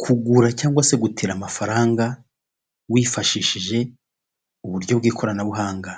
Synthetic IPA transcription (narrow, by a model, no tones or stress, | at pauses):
kʰuɡuɾacaːŋɡwase̞ɡutʰiɾamafaɾaːŋɡa | wiːfaʃiʃiʒe̞ | uβuɾɟo̞bɡiːkʰoɾanaβuɦaːŋɡa